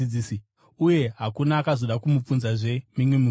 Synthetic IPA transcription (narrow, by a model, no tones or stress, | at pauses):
iisi | uje̞ɦakunaːkazo̞ɗakumup͡funzaʐe̞miŋwimu